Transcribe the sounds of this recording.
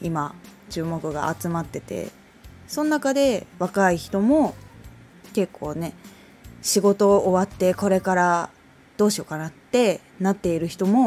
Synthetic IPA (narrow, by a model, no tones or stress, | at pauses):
imat͡ɕɨːmo̞kɯ̟ɡa̰ʔat͡sɨmat̪ːe̞t̪e̞̰ | so̞nonakad̪e̞βakaiçi̥t̪o̞mo̞ | ke̞kːo̞ːne̞ | ɕiɡo̞t̪o̞ʔːβat̪ːe̞ko̞ɾe̞kaɾa | d̪̥o̞ːɕio̞kanat̪ːe̞ | nat̪ːe̞iɾɯ̟çi̥t̪o̞mo̞